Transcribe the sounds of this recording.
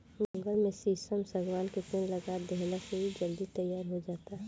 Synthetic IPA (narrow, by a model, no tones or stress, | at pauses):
mɐ̃ŋɡəlmẽsiːsəmsəɡwaːnketeːnlɐɡaːd̪ɛɦlaseɦid͡ʒɐld̪it̪ɐjaːɾɦod͡ʒaːt̪aɦɛ